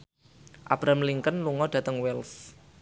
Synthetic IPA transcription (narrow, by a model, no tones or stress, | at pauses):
ʔa̰b̥ɾamliŋkənluŋɔɖ̥ä̤t̪əŋwɛls